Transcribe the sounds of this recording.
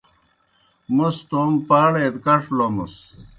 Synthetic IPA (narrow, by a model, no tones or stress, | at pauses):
must̪ompaːɽet̪kɐʂlomṵs